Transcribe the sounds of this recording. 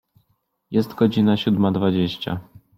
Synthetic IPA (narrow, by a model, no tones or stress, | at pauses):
jɛst̪ɡɔd͡ʑinaɕud̪mad̪vad͡ʑeɕt͡ɕa̰